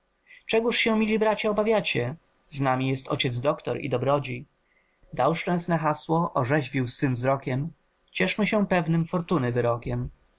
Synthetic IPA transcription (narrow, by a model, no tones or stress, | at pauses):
t͡ʂɛɡuʂɕɛ̃mʲilʲibɾat͡ɕaɔbavʲjat͡ɕɛ | znamʲijɛst̪ɔ̰t͡ɕɛd̪zd̪ɔkt̪ɔɾḭd̪ɔbɾɔd͡ʑij | d̪awʂt͡ʂɛ̃w̃snɛxaswɔʔɔʐɛʑvʲiwsfɘmvzɾɔkʲɛm | t͡ɕɛʂmɘɕɛpɛvnɘmfɔɾt̪unɘvɘɾɔkʲɛm